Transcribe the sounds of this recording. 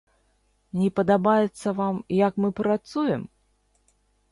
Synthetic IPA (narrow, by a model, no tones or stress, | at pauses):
nʲɛpɐd̪abajɛt̪sːɐvamjakmɨpɾat̪sujɛm